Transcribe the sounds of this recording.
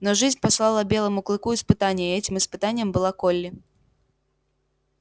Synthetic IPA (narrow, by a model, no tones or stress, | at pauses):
nɔʐɨzʲnʲpaslˠalˠɐbʲɛlˠɐmuklˠɨkuispɨt̪anʲːɐiɛt͡sʲimɨspɨt̪anʲjɐmbɨlˠakɔlʲːi